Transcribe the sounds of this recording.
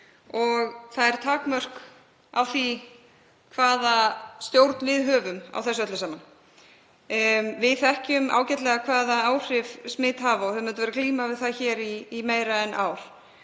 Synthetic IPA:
ɔɣθaðɛɾ̥t̪ʰaːkmœr̥k | a̰wθi | kʰvaːðast̪jowɾt̪nvɪðɦœːvʏma̰wθɛsːœt̪lʏsaːman | vɪðθɛhcʏmʔa̰ːwcɛt̪lɛɣakʰvaːðaaːwr̥ɪvsmɪːt̪ɦaːvaɔhœmɛnt̪ʏvɛːɾakliːmavɪðθaðçɛːɾiːmeːjɾaɛnʔaːwɾ̥

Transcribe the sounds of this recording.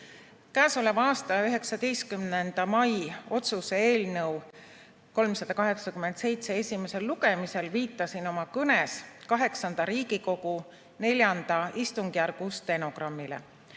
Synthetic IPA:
kæːso̞levɑːst̪ɑjɑyɦe̞ksɑd̪̥e̞jst̪kymnend̪̥ɑmɑjo̞t̪suseeːlnɤw | ko̞lmsɑd̪̥ɑkɑɦe̞ksɑkyme̞nd̪se̞jt̪se̞e̞sʲime̞se̞lːuɡe̞mise̞lviːt̪ːˑɑsino̞mɑkɤneskɑɦe̞ksɑnd̪̥ɑɾiːɡ̥iko̞ɡ̥u | ne̞lʲjɑnd̪̥ɑist̪uŋɡ̥iærɡ̥ust̪e̞no̞ɡ̥rɑmːilḛ

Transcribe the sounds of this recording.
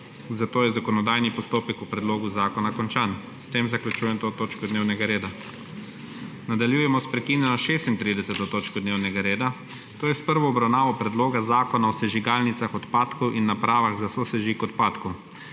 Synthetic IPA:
zat̪oːjɛzakɔnɔd̪aːjnipɔst̪oːpɛkupɾɛd̪loːɡuzaːkɔnakɔnt͡ʃaːn | st̪eːmzaklut͡ʃuːjɛnt̪ot̪oːt͡ʃkɔd̪neːwnɛɡaɾeːd̪a | nad̪aljuːjɛmɔspɾɛkiːnjɛnɔʃeːst̪int̪ɾid̪ɛsɛt̪ot̪oːt͡ʃkɔd̪neːwnɛɡaɾeːd̪a | t̪oːjɛspəɾʋɔːbɾawnaːʋɔpɾɛd̪loːɡazaːkɔnaɔsɛʒiɡalnit̪saxɔt̪paːt̪kɔwʔinːapɾaːʋaɣzasosɛʒikɔt̪paːt̪kɔ

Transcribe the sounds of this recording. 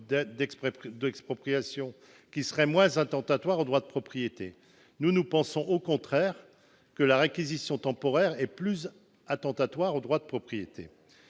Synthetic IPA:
d̪ɛksd̪ɛkspχɔpχijasjɔ̃ | kʲisəʁɛmwɛ̃zɛ̃t̪ɑ̃t̪at̪waʁod̪ʁwad̪əpχɔpχijet̪ḛ | nunupɑ̃sɔ̃ʔokɔ̃t̪χɛʁ | kəlaʁekʲizisjɔ̃t̪ɑ̃pɔʁɛʁɛplyz | at̪ɑ̃t̪at̪waʁod̪ʁwad̪əpχɔpχijet̪ḛ

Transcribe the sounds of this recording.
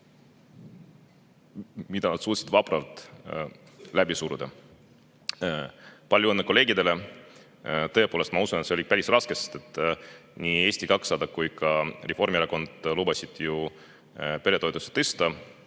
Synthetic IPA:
mid̪ɑnɑd̪̥suːt̪sid̪vɑprɑlt̪ˑ | læbisuːɾud̪ɑ | pɑlʲjuɤnːeko̞le̞ːɡid̪e̞le̞ | t̪ɤ̞epoːlest̪mɑusunet̪seolipæɾisrɑskest̪et̪ːˑnʲie̞ːsʲt̪ikɑksɑd̪ɑkkujkɑrefo̞rmieɾɑko̞nd̪̥luːbɑsʲid̪̥ju | pe̞ɾe̞t̪o̞et̪ːˑuse̥t̪est̪ɑ

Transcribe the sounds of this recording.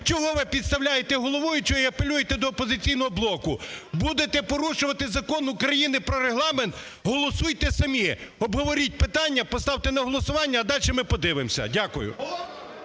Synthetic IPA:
t͡ʃɔɦɔʋɪpʲid̪st̪ɐwlʲajet̪ɛɦɔlˠɔʋɔjʊt͡ʃɔiɐpelʲujet̪ɛd̪ɔːpɔzɪt͡sʲijnɔɦɔblˠɔkʊbud̪et̪ɛpɔɾuʃʊʋɐt̪ɪzɐkɔnʊkɾɐjinɪpɾɔɾeɦlˠɑment̪ | ɦɔlˠɔsujt̪ɛsɐmʲiɔbɦɔʋɔɾʲit̚ʲpɪt̪ɑnʲːɐpɔst̪ɑwt̪enɐɦɔlˠɔsʊʋɑnʲːɐːd̪ɑlʲʃɛmɪpɔd̪ɪʋɪmsʲɐ̰dʲakʊjʊ̰

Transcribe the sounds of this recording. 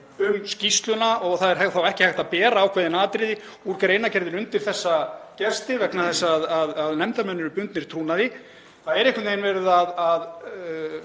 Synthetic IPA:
ʏmscist̪lʏnaʔɔɣθaðɛɾ̥haθawɛhcɪhajht̪apɛːɾaːwkʰvaːðɪnaːt̪ɾɪðɪ | uɾkaɾejnacɛɾðɪɾʏnt̪ɪɾ̥θɛsːacɛ̥st̪ɪvɛknaθɛsːaːðaðːðnɛmt̪amɛnːʏɾʏpʏnt̪nɪɾ̥t̪ʰɾuːnaðɪ | θaðɛɾɛehkʏt̪neːjnvɛːɾʏðaðað

